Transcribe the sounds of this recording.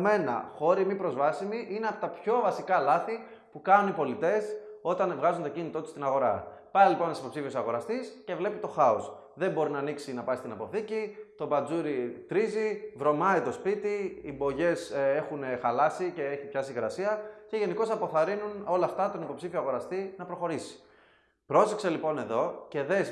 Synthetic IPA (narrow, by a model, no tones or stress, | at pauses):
me̞nɐ̰xo̞ɾimipɾo̞zvɐsimiʔineɐpot̪ɐpço̞vɐsikɐlɐθi | pukɐnunipo̞lit̪e̞so̞t̪ɐnvɣɐzont̪o̞cinit̪o̞t̪u̥st̪inɐɣo̞ɾɐ̰pɐilipo̞nt̪si̥po̞psifiesɐɣo̞ɾɐst̪isce̞vle̞pit̪o̞xɐos | ðe̞mbo̞ɾinɐːniksinɐpɐist̪inɐpo̞θicit̪o̞bɐd͡zuɾit̪ɾizivɾo̞mɐit̪o̞spit̪iibo̞ʝe̞se̞xunexɐlɐsice̞eçipçɐsiɣɾɐsiɐce̞ʝe̞niko̞sɐpo̞θɐɾinuno̞lɐːft̪ɐt̪o̞nipo̞psifio̞ɐɣo̞ɾɐst̪inɐpɾo̞xo̞ɾisi̥ | pɾo̞sekse̞lipo̞ne̞ðo̞ce̞ðes